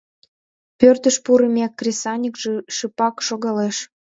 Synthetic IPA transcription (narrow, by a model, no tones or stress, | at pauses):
pørt̪əʃpuɾəmʲɑkːrʲesɑnʲikʒəʃɨpɑkʃoɣɑleʃ